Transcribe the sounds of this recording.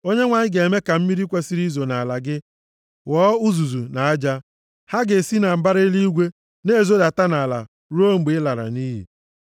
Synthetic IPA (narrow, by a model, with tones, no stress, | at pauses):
o˦ɲe˦ŋʷaː˨ɲɪ˦ɡe˨me˦ka˨m̩˦mi˦ɾi˦kʷe˦si˦ɾi˦zo˨na˨a˨la˨ɡɪ˦ | wɔ˦u˦zu˨zu˨na˨a˦d͡ʒa˦ | ha˦ɡe˨si˦na˨m̩˨ba˦ɾe˦li˦i˦ɡʷe˦ | ne˦˨zo˦da˨ta˦na˨la̰˨ | ɾu˦o˦ŋ͡m̩˨ɡ͡be˨˦la˨ɾa̰˨niː˦ɦḭ˨